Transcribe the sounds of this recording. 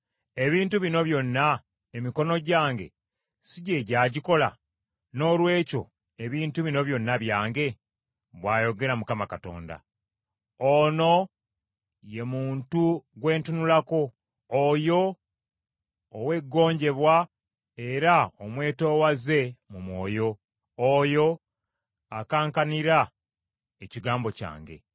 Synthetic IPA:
e̞βiːntuβino̞βjo̞nːa | emiko̞no̞ɟaːŋɡe̞̰ | siɟe̞ɟaːɟiko̞la̰ | no̞ːlwe̞ːco̞ | e̞βiːntuβino̞βjo̞nːaβjaːŋɡe̞ | βwaːjo̞ɡe̞ɾamukamakato̞̰ːnda̰ | ono̞ | je̞muːntuɡwe̞ːntunulako̞ː | jo̞ | we̞ɡːo̞ːɲɟe̞βwa | e̞ɾaomwe̞ːto̞ːwaze̞mumwo̞̰ːjo̞ | ojo̞ | akaːŋkaniɾa | eciɡaːmbo̞ca̰ːŋɡe̞̰

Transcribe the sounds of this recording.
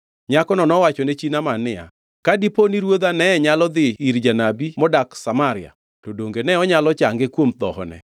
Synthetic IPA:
ɲakɔnɔnɔwat͡ʃɔnet͡ʃinamanɪa̰ | kadiponiɾwod̪anɛɛɲalɔd̪ɪiɾd͡ʒanabimɔdaksamaɾɪa̰ | todoŋɡenɛɔɲalɔt͡ʃaŋɡɪkwomd̪ɔ̰hɔ̰nɛ̰

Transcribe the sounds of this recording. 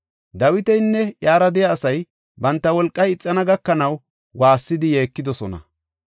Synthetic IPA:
d̪ɐwɪt̪ɛjnːɛjaːɾɐd̪ɪjaːsɐj | bɐnt̪ːɐwɔlkʼːɐjɪt͡sʼːɐnɐɡɐkːɐnɐw | waːsːɪd̪ɪje̞ːkːɪd̪ɔsɔnɐ̰

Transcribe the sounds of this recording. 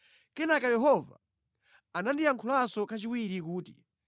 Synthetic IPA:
kɛnakajɛɦɔva̰ | anandiaŋkʰulasɔkat͡ʃiwiɾikuːtḭ

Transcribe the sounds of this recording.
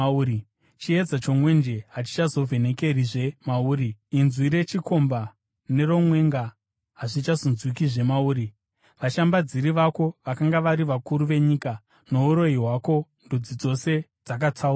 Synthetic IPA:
ui | t͡ʃie̞d͡zat͡ʃo̞mwe̞nd͡ʒe̞ɦat͡ʃi̥t͡ʃazo̞vʱe̞ne̞ke̞riʐe̞mauːɾiinzwiɾe̞t͡ʃiko̞mba | ne̞ro̞mwe̞ŋɡa | ɦaʐit͡ʃazonzwikiʐe̞mauːɾi | ʋaʃambad͡ziɾiʋako̞ʋakaŋɡaʋaɾiʋakuɾuʋe̞ɲika | no̞uɾo̞iɦwako̞ndud͡zid͡zo̞se̞d͡zak̬at͡saua

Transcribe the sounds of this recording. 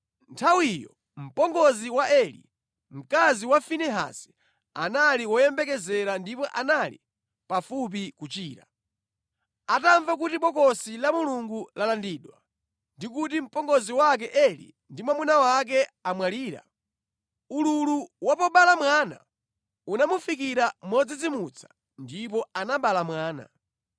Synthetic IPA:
ntʰawijɔ̰ | m̩pɔŋɡɔziwaʔɛlḭ | m̩kaziwafinɛɦa̰sɛ̥ | a̰naliwɔjɛmbɛkɛzɛɾandipɔʔanalḭ | pafup̬ikut͡ʃiːɾa | ataɱvak̬utiɓɔkɔsilamuluŋɡulalandiːɗwa | ndikutim̩pɔŋɡɔziwak̬ɛʔɛlḭ | ndimwamunawak̬ɛamwaliːɾa̰ | ululuwapɔɓalamwaːna̰ | unamufik̬iɾamɔd͡zid͡zimut͡sʰḁ | ndip̬ɔanaɓalamwaːna̰

